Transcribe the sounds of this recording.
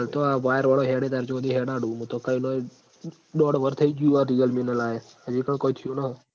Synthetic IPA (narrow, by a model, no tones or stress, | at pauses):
lt̪oaʋaːjəɾʋaɭoɦeɽet̪aɾt͡ʃod̪iɦeɽãɽũmũt̪okəino | ɗɔːɽʋəɾt̪ʰəid͡ʒuaɾiəlminelae | əd͡ʒikəɳkoit̪ʰijũna